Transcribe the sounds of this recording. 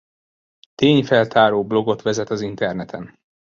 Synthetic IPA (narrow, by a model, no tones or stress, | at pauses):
t̪eːɲfɛlt̪ʰaːɾoːblo̞ɡo̞t̪ʋɛzɛt̪ɒzint̪ɛrnɛt̪ʰɛn